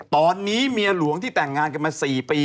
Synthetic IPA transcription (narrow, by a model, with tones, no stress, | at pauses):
t̪ɔː˧nːiː˦˥mi˧əlu˨˩˦əŋt̪ʰiː˥˩t̪ɛ˨˩ŋːaː˧nka˧nmaː˧siː˨˩piː˧